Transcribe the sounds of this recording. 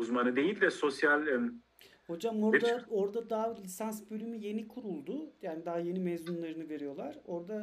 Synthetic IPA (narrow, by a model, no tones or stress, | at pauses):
uzmanɯd̪e̞jilʲd̪ɛso̞sjalʲ | ho̞d͡ʒamoɾd̪ao̞ɾd̪ad̪aɦalʲisansbølʲymyje̞nikʰuɾulˠd̪ʊjaːnid̪aɦaje̞nimɛːzunlˠaɾɯnɯve̞ɾijo̞lˠaɾ̥o̞ɾd̪a